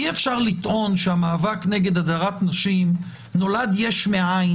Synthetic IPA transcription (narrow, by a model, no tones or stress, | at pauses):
iefʃaʁlit̪ʔo̞nʃeamaːvakneɡe̞d̪adaʁat̪naʃim | no̞lad̪jeʃmeaj